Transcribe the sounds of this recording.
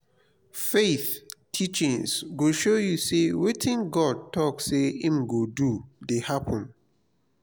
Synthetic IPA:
feθtʰit͡ʃĩŋsɡoʃojusewetʰĩnɡɔd̚tʰɔkseĩmɡodudehapʰɔ̃n

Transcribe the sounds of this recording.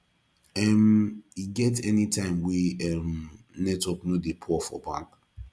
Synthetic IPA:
ɛmiɡɛtɛnitʰãɪ̃mweɛm | nɛtɔknodepʰɔfɔ̰bã̰ŋk

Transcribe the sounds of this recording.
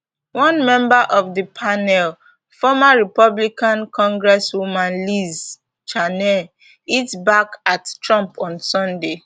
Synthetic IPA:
wɔ̃nmɛ̃mbaʔɔfdəpʰanɛl | fɔmaɹipɔblikãnkʰɔ̃ŋɡɹɛswumãnliz | t͡ʃanɛ | itbakattɹɔ̃mpɔ̃nsɔ̃nde

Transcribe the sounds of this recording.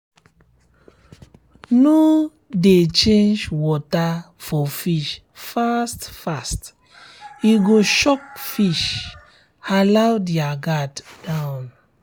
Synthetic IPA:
no | det͡ʃẽnd͡ʒwɔta | fɔfiʃ | fastfast | iɡoʃɔk̚fiʃ | alawdiaɡatdãwn

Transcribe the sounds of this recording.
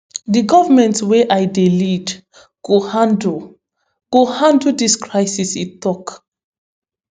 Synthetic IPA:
diɡɔvəmɛ̃ntweʔajdelid | ɡ̥ohãnd | ɡ̥ohãndudiskɹaɪsisitːɔk

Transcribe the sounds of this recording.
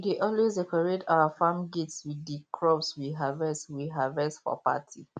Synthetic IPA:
wideʔɔlwesdɛkɔɹetawafãmɡetswiddikʰɹɔpswiɦavɛswiɦavɛstfɔ̰pa̰tʰi

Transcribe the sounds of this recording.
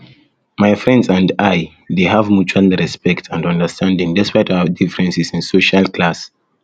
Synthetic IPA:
majfɹɛ̃ndsãndaj | deɦavmut͡ʃaldəɹɛspɛktʰãndɔ̃ndə˞stʰãndĩŋdɛspajtawədifɹɛ̃nsisĩnsoʃalˠklas

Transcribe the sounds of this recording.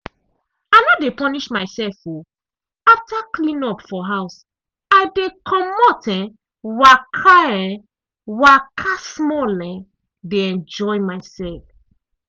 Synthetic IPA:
ajnɔdepɔniʃmaɪsɛlfo | aftaklĩnɔpfɔɦaʊs | aɪdekʰɔmɔtɛ̃ | wakʰaɛ̃ | wakʰasmɔlɛ̃ | deɛ̃nd͡ʒɔɪmaɪsɛlf

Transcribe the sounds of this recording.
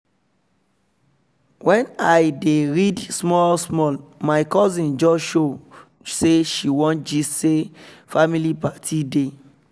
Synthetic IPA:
wʔɛ̃najdeɹidsmɔlsmɔlmaɪkɔzĩnd͡ʒɔʃo | seʃiwɔ̃nt̚d͡ʒisefamilipatʰide

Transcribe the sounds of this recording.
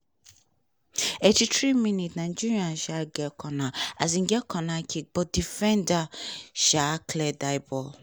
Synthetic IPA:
etitɾimĩnitnãnd͡ʒiɾiãnʃaɡɛkʰɔnaazĩɡɛkʰɔnakʰik̚bɔdifɛ̃ndaʃakʰlɛdaɪbɔ

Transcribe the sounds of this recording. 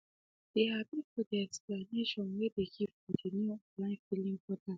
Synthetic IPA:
d̥ehabĩfɔdiɛksplaneʃɔ̃nwɛdeɡivɔdenuɔlãɪ̃filĩŋbɔta

